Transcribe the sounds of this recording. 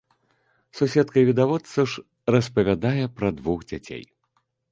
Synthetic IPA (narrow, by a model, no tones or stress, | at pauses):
susʲɛt̪kɐvʲid̪avɔt̪sɐʂ | rɐspɐvʲad̪ajɛpɾɐd̪vuxd͡zʲat͡sʲḛj